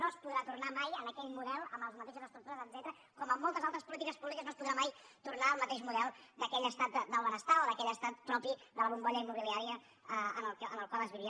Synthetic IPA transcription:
noəspuðɾat̪urnamajənəkɛʎmuðɛlˠəmbəlˠzmət̪eʃəzəst̪ɾukt̪uɾəzəd̪z̥ɛt̪ɾə | kɔməmːɔlˠt̪əzalˠt̪ɾəspulit̪ikəspuβlikəznospuðɾamaj | t̪urnaəlˠmət̪eʃmuðɛlˠd̪əkɛʎəst̪at̪̚d̪əlˠβənəst̪aoðəkɛʎəst̪at̪pɾɔpid̪ələβumɡɔʎəimːuβiliaɾiə | əənəlˠənəlˠkwaləzβiɾi

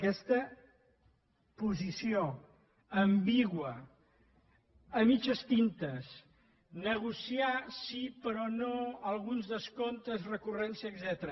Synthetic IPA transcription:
əkɛst̪ə | puzisio | əmbiɣwə | əmit͡ʃəst̪int̪əs | nəɣ̞usiasipəɾɔnoəlˠɣunzðəskont̪əzrəkurɛnsiəːɡzɛt̪əɾə

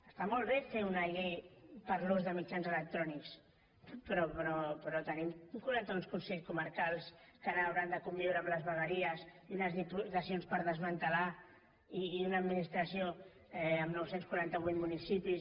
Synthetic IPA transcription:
əst̪amɔlˠβɛfeunajɣepəɾlozðəmit͡ʃanzələk̚t̪ɾɔniks | pɾɔpɾɔpɾɔt̪ənimkuɾant̪əunskunseʎskuməɾkalˠskənawɾand̪əkumbiwɾəːmləzβəɣəɾiəziunəzðiput̪əsionspəɾðəzmənt̪əla | iːunəːd̪minist̪ɾəsio | ɛəmnɔwsenskwuɾant̪əβit̪munisipis

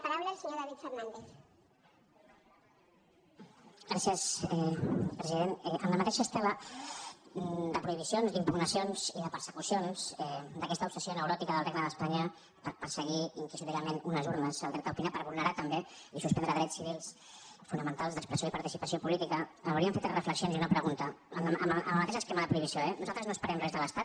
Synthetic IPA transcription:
paɾawləelˠsəɲoðaβit̪fərnand̪eθ | ɡɾasiəsɛpɾəziðenɛʔənləmət̪eʃəst̪ɛlə | d̪əpɾuiβisionzd̪impuɣnəsionz̥iðəpəɾsə̥kusionz̥ɛd̪əkɛst̪əupsəsjonəwɾɔt̪ikəðəlˠreɡnəðəspaɲə | pəɾpəɾsəɣ̞iiŋkisuɾikəmenunəzuɾnəsəlˠd̪ɾɛt̪əupinapəɾβulˠnəɾat̪əmbeisuspɛnd̪ɾəðɾɛt͡ssːiβilˠs | funəmənt̪alˠzðəkspɾəsjoipɐɾt̪isipəsijopulit̪ikəəwɾiəmfet̪rəfləksionziunəpɾəɣunt̪ə̰mə̰mləmət̪eʃəskɛməðəpɾuiβisijoɛnuzalˠt̪əznoəspəɾɛmrɛzðələst̪at̪

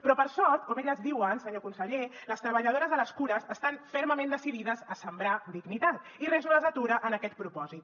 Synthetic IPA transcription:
pɾɔpəɾsɔlt̪kɔmeʎəzðiwənsəɲokunsəʎeləst̪ɾəβəʎəð̞oɾəzələskuɾəzəst̪anfɛɾməmẽnd̪əsiðiðəzəsəmbɾad̪iɡnit̪at̪ | irɛzuləzət̪uɾəʔənəkɛt̪̚pɾupɔzit̪

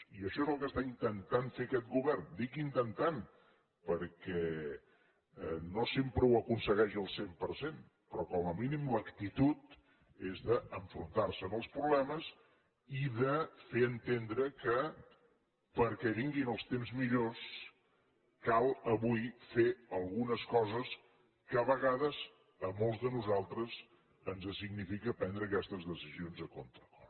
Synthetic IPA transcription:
iəʃɔezəlˠkəst̪aint̪ənt̪anfekɛt̪̚ɡuβɛrnd̪ikint̪ənt̪an | pəɾkɛ | nosempɾəwəkunsəɣɛʃʒəlˠsempəɾsen | pɾɔkɔməminimləkt̪it̪ut̪ | ezðəəɱfɾunt̪aɾsəːnəlˠspɾuβlɛməs | iðəfeənt̪end̪ɾəkə | pəɾkɛβiŋɡinəlˠst̪emzmiʎos | kalˠəβujfeəlˠɣunəskɔzəs | kəβəɣaðəz | əmolˠzðənuzalˠt̪ɾəz | ənzəsiɡnifikəpɛnd̪ɾəːkɛst̪əzðəsizionzəkont̪ɾəkɔ

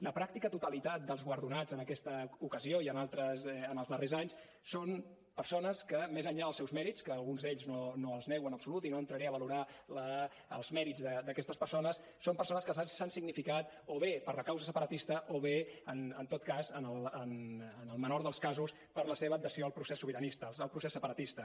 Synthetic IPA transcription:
ləpɾak̚t̪ikət̪ut̪əlit̪at̪̚d̪əlˠzɣwəɾðunad͡zənəkɛst̪əukəzioiənalˠt̪ɾəzənəlˠzðərezaɲs | son | pəɾsonəskəmezəɲʎaðəlˠsɛwzmɛɾit͡skəːlˠɣunzðeʎznonoəlˠznɛwənəpsulut̪inoənt̪ɾəɾɛəβəluɾalə | ə̰lˠzmɛɾid͡zðəd̪əkɛst̪əspəɾsonəs | sompəɾsonəskəlˠzaɲssansiɡnifikat̪ | oβepəɾləkawzəsəpəɾət̪ist̪əʔoβeənənt̪ot̪kazənəlˠənənəlˠmənoɾðəlˠskazus | pəɾləseβəːd̪əsioəlˠpɾusesːuβiɾənist̪əəlˠpɾusesːəpəɾət̪ist̪ə

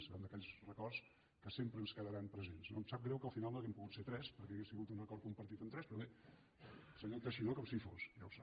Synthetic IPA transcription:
səɾɛnd̪əkɛʎʲsrəkɔrs | kəsempɾəːnskəðəɾampɾəzensno̰msap̚ɡɾɛwkəlˠfinalˠnəlˠkɛmpuɣut̪set̪ɾɛspəɾkɛəɣesiɣut̪unəkɔɾt̪kumpəɾt̪it̪əmt̪ɾɛspɾɔβe | səɲot̪əʃinokɔmsifosʒawsap

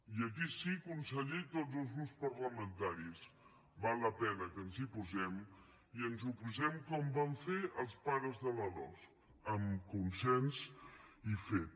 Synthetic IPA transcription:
iək̬isikunsəʎɛjt̪od͡zzəlˠzɣɾupspəɾləmənt̪aɾis | balˠːəpɛnəkənzipuzɛm | iənzupuzɛmkɔmbaɱfeʔəlˠspaɾəzðələlɔ̰sk | əmkunsɛnsifet̪̚

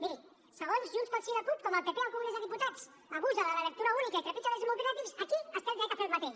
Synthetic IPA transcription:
miɾi | səɣ̞onzʒunspalsiɾaput̪kɔməlpepealkumunezəðiput̪as | aɣuzalalalək̚t̪uɾaunikait̪ɾepit͡ʃalezmolkɾeat̪iwsakiast̪ɛld̪ɛk̪afeɾmat̪eʃ

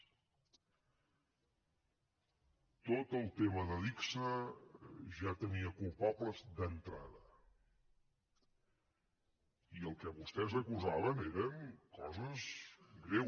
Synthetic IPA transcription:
t̪ot̪əlˠt̪eməðəliksə | ʒat̪əniəkulˠpabləzd̪ənt̪ɾa̰ðə | iəlˠkəβust̪ɛzəkuzaβəneɾənkɔzəzɡɾe

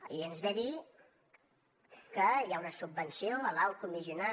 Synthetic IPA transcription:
iənzβɛði | kəjaunəsub̚bənsioəlawt̪umiziuna

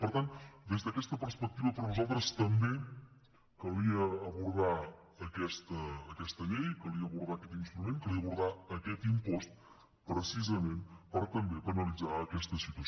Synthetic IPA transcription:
pəɾt̪ant̪d̪ezd̪əkɛst̪əpəɾspək̚t̪iβəpəɾnuzalˠt̪ɾəst̪əmbe | kəliəːβuɾða | əkɛst̪ːkɛst̪əlejkəliəəβuɾðakɛt̪inst̪ɾumẽnkəliəβuɾðaəkɛt̪impost̪̚ | pɾəsizəmẽnpəɾɔt̪əmbepənəlid͡zaəkɛst̪əsit̪uə

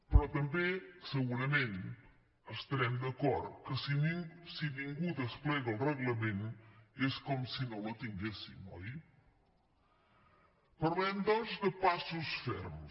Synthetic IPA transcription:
pɾɔt̪əmbesəɣuɾəmẽn | əst̪əɾɛmd̪əkɔɾt̪kəssiniŋɡud̪əsplɛɣəlˠrəɣləmeneskɔmsinolət̪iŋɡesimoj | pəɾlɛmd̪ɔnzd̪əpasusfɛɾm

